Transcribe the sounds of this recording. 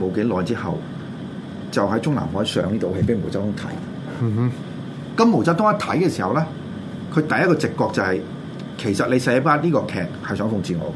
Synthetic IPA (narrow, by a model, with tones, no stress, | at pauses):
mo˨˧wke˨˥lɔː˨˧jt͡siː˥hɐ̰˨w | t͡sɐ˨wɦɐ˨˥jt͡sʊ˥ŋla̰ː˨˩nɦɔː˨˥˨sœ̰ː˨˧ŋiː˥t̪o˨˧whe˧jpe˨˥jmo˨˩wt͡sɐ˥hʊ˥ŋt̪ʰɐ̰˨˥j | kɐ˨˦mːo˨˩wt͡sɐ˥wt̪ɔː˥ŋɐ˥˩t̪ʰɐ˨˥jkɛː˧si˨˩hɐ˨wlɛː˥ | kʰɵ˨˧ɥt̪ɐ˨jɐ˥t̚kːɔː˧t͡sɪ˨kːɔː˧k̚t͡sɐ˨˧hɐ˨j | kʰe˨˩jsɐ˨t̚le˨˧jsɛ˧˥paː˥tliː˥kɔː˧kʰɛː˨k̚hɐ˨jsœː˨˥ŋfʊ˧ŋt͡sʰiː˨ŋɔ̰ː˨˧